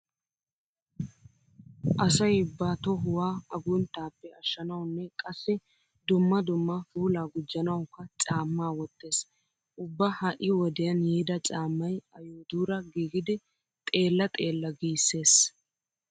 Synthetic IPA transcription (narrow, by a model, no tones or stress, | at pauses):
ʔɐsɐjɪbːaːt̪ɔɦʊwaːɐɡʊnt̪aːpːɛɐʃːɐnɐwnːɛkʼɐsːɪ | d̪ʊmːɐd̪ʊmːafuːlaːɡʊd͡ʒːɐnɐwkːɐt͡ʃʼaːmːaːwɔt̪ːe̞ːs | ʔʊbːɐhɐʔɪwɔd̪ɛjɐnjeːd̪ɐt͡ʃʼaːmːɐjɐjoːd̪uːɾɐɡiːɡɪd̪ɪ | t̪ʼe̞ːlːɐt̪ʼe̞ːlːɐɡiːsːe̞ːs